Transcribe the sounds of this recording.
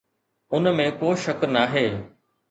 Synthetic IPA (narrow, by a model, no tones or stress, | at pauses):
ʊnmẽkoːʃɐknaːɦeː